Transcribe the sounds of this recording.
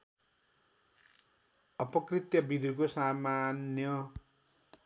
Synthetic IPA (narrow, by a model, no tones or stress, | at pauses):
ʌpʌkrit̪jʌbid̪ʱikosamanjʌ